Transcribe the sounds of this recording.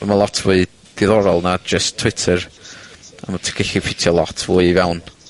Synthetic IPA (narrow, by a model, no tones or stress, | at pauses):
əmalˠɔtʰvʊɨ | d̥ɪðɔɾɔlˠnad͡ʒəstʰːw̥ɪtʰəɾ | amatʰɪ̥kʰɪɬipʰɪtʰjɔlˠɔtʰvuɨvɛwn